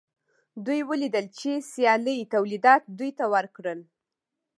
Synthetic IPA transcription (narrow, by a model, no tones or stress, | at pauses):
d̪ujwəlid̪əlt͡ʃesjɑləjt̪awlid̪ɑt̪̚d̪ujt̪awəɾkɽəl